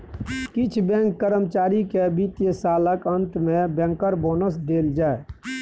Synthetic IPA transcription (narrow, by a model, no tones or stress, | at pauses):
kɪt͡ʃʰbɛ̃ŋkːəɾəmt͡ʃaːɾikeəbit̪jəsaːləkənt̪mẽbɛ̃ŋkəɾboːnəs̬d̪eːld͡ʒaːe